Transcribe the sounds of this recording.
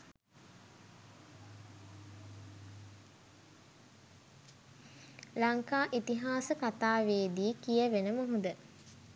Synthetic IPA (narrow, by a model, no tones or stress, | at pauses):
laŋkaːʔit̪iɦaːsəkat̪aːʋeːd̪iːkijəʋenəmuɦud̪ə